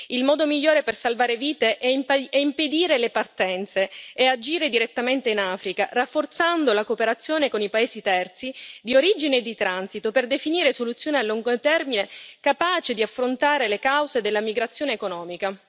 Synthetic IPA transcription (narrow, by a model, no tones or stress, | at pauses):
ilmɔːd̪omiʎːoːɾepersalvaːɾeviːt̪eʔɛimpɛimped̪iːɾelepart̪ɛnt̪seːad͡ʒiːɾed̪iɾet̪ːament̪einaːfɾikarafːort̪sand̪olakopeɾat̪sːjoːnekonipaeːzit̪ɛrt̪sid̪ioɾid͡ʒineːd̪it̪ɾansit̪operd̪efiniːɾesolut̪sːjoːnealːuŋɡot̪ɛrminekapaːt͡ʃed̪iafːɾont̪aːɾelekawzed̪elːamiɡɾat̪sːjoːneːkonɔːmika